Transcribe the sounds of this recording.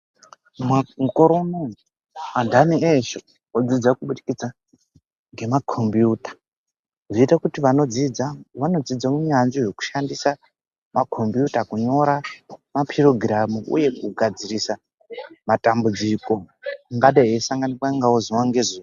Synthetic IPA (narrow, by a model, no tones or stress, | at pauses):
mamukoɾono | adʱanieʃo | od͡zid͡zakuɓuɗikid͡za | ŋɡe̞makʰo̞mbjuːtḁ | ʐiitakutiʋano̞d͡zid͡zaʋano̞d͡zid͡zauɲanʐiʐo̞ku̥ʃandisa | makʰo̞mbjutakuɲo̞ɾamapʰiroɡramuʔṵje̞kuɡʱad͡zirisa | matambud͡ziko̞ŋɡaɗaɦeisaŋɡanipwaŋɡawoziwaŋɡezuː